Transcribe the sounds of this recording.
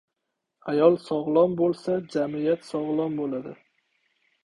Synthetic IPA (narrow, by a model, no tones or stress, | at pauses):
ajɒlˠsɒʁlˠɒnbolˠsad͡ʒamɪjat̪sɒʁlˠɒnbolad̪ɪ